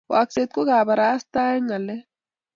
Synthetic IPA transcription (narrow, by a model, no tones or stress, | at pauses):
o̰akset̪̚koɡaːbaɾaːst̪aːeŋɐle